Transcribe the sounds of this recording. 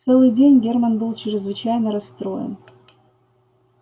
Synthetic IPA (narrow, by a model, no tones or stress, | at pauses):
t̪sɛlˠɨjdʲenʲɡʲermanbɨlˠt͡ɕɪɾʲɪzvɨt͡ɕajnəɾɐst̪ɾojə̰n